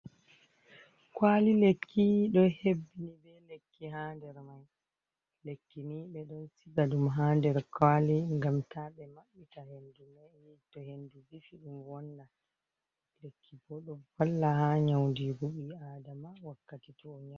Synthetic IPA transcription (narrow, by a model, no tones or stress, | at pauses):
kwalilekʰːiɗɔnhebːinibɛlekːiɦaːndɛɾmaj | lekːiniɓɛɗɔnsiɡadumɦaːndɛɾkʰaliŋɡamtʰaɓɛmaɓːitahenduma | tɔhenduvifiɗumwɔnːa | lekʰːibɔɗɔfalːahaɲawndiɾuɓiadamawakːatitɔɔɲa